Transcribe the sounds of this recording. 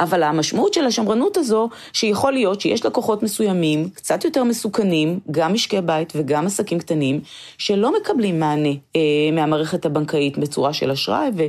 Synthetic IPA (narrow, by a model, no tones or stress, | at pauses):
ʔavalamaʃmautʃe̞laʃamʁanutazo̞ | ʃejaχo̞lijo̞tʃejeʃleko̞χo̞tme̞sujamimkt͡satjo̞te̞ʁmesukanimɡamiʃkebaitve̞ɡamasakimktanim | ʃe̞lo̞me̞kablimːaːne̞meamaːʁe̞χe̞thabaŋkaitbet͡suʁaʃe̞laʃʁa̰jve